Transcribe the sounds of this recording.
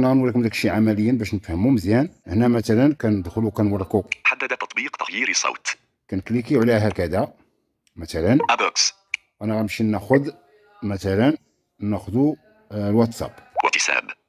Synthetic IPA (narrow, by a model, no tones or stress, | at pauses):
næɣænwɾˤikʊmd̪ækʃiʕamæləjːəbæʃnəfhəmuməzjænəhnæmæt̪ælənkænəd̪xəlukænwɑrˤkuħad̪ːəd̪æt̪ːɑ̥t̪ˤbiqt̪ɑɣjiɾsˤɑ̰wt̪ | kænəklikiʕlæɦækæd̪æ | mæt̪ælənʔæbəks | wʔænæɣæəmʃinːæxʊd̪ | mæt̪ælən | næxd̪u | lwæt̪sæ̰bwət̪ːisæ̰b